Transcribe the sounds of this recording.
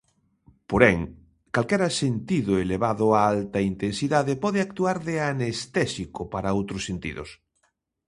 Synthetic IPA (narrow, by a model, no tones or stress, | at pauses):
poɾɛŋ | kalkɛɾasent̪iðʊeleβaðʊaaalt̪ɐint̪ensiðaðepɔðeak̚t̪uaɾðeanest̪ɛsikopaɾaowt̪ɾosːent̪ḭðʊ̰s